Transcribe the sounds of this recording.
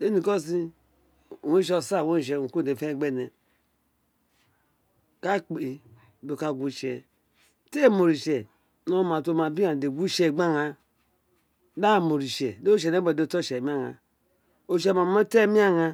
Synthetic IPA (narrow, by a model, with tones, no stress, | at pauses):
de˦ni˨ko˦si˦˨ | we˦ʃ̬o˦˨sa˦˨wo˦˨ʃ̬e˨u˨ku˦˨e˨fe˦˨ɡ͡be˦˨ne˨ | ka˦k͡pe˨i˨ | do˨ka˨ɡʷu˦ʃe˨ | te˦˨mo˨ɾi˨ʃe˨ | no˦ma˨to˦˨ma˨bi˦a˨de˨ɡʷu˦ʃe˦˨ɡ͡ba˦ŋa˨ | da˦˨mo˨ɾi˨ʃe˨do˦ʃ̬e˨ne˦be˨do˦˨to˦˨ʃe˨mi˦a˦ŋa̰˨ | o˦˨ʃe˦˨ma˨˦e˦te˦mi˦a˦ŋa˦